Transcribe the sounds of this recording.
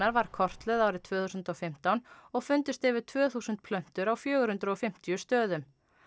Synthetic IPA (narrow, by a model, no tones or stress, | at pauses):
aɾvaɾ̥kʰɔr̥t̪lœðaːwɾɪðt̪ʰvœːθuːsʏnt̪ɔfɪm̥t̪awnɔɣfʏnt̪ɪst̪ɛvɪɾt̪ʰvœːθuːsʏnt̪̚pʰlœm̥t̪ʏɾawfjœːɣʏɾhʏnt̪ɾʏɔfɪm̥t̪ijʏst̪œːðʏm